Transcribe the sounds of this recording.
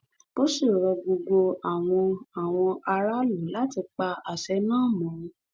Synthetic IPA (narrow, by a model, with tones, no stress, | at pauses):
b̥o˦si˦˨ɾɔ˧ɡ͡bo˧ɡo˧a˨w̃ɔ̃˧a˨w̃ɔ̃˧ʔa˧ɾa˦lu˨˦la˦ti˧k͡pa˧a˨sɛ˨˦nãː˦˨mɔ̃˨˦˨